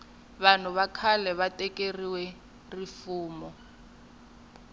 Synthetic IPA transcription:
βan̤uβakʰalɛβatʼɛkʼeriwɛ | rifuːmɔ

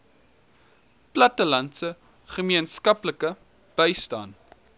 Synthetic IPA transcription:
plɐtəlɐntsə | χəmiənskɐpləkə | b̥əjstɑ̰ːn

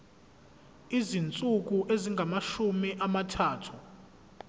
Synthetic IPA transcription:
izint͡sʼuk̬ʼuʔeziŋɡʱamaʃumiʔamatʰaːtʰu

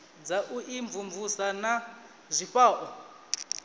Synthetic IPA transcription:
d͡zaʔuʔiɱvuɱvusana | zʷiɸaːʔɔ

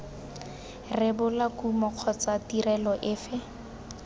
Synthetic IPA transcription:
rɪbʊlakumɔq͡χʰɔt͡satirɛlɔʔɪfɪ

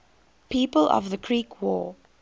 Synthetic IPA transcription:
piːpəlʔɔ̰vðəkʰɹiːkʰwɔː

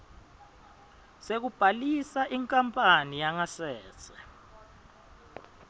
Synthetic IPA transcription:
sek̬ub̥ʱalisaʔiŋkʼampʼanijaŋasɛ̥ːt͡sʰɛ

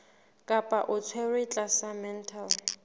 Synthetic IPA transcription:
kʼapʼaʔʊt͡sʰwɛrɪt͡ɬʼasamɛn̩tʰal

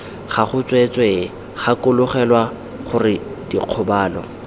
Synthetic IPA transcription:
χaχʊt͡sʼwet͡sʼwe | χakʊlʊχɛlwa | χʊrɪ | d̥iq͡χʰʊbaːlɔ

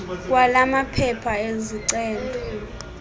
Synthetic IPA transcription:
k̬ʼwalamapʰɛpʰaeziǀɛːndʱɔ

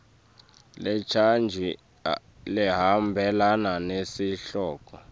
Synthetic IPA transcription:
lɛt͡ʃʰand͡ʒʱi | lɛɦambʱɛlananesiɬɔːk̬ʼɔ

